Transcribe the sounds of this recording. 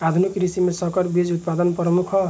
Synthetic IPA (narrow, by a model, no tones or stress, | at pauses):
ad̪ʱunikɾisimesʌkʌɾbid͡zut̪̚pad̪ʌnpɾɔmukʰʌ